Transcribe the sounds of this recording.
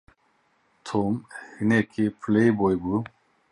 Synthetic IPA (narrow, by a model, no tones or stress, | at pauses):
t̪ʰomhinekʰipʰlejbojbu